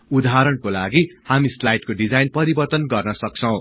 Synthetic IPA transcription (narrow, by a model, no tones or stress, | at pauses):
ud̪aɦaɾʌɳkolaɡihamislajʈkoɖid͡zajnpʌɾibʌrt̪ʌnɡʌrnʌsʌk̚t͡sʰʌw̃